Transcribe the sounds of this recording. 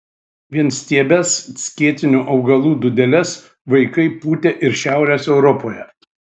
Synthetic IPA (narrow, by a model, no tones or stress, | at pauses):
ʋʲiɛnsʲt̪ʲiɛbʲɛssʲkʲiɛt̪ʲɪnʲuːʔɒʊɡɐlˠuːd̪ʊd̪ʲɛlʲɛs | ʋɐɪkɐɪpuːt̪ʲeʔɪɾʃʲæˑʊɾʲeːsɛʊɾɔpoːjɛ